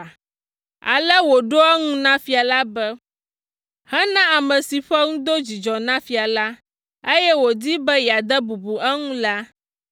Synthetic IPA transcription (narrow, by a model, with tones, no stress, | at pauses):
a̰˨lɛ˦wo˨ɖo˦ɛ˦ŋũ˦nã˦fi˨a˨la˦bɛ˦ | hɛ˦nã˦a˨mɛ̃˨si˨ɸɛ˦ŋũ˦d̪o˦d͡ʑi˨d͡ʒɔ˨nã˦fi˨a˨la˦ | e˦jɛ˦wo˨d̪i˦bɛ˦ja˨d̪ɛ˦bu˨bu˨ʔɛ˦ŋũ˦la˦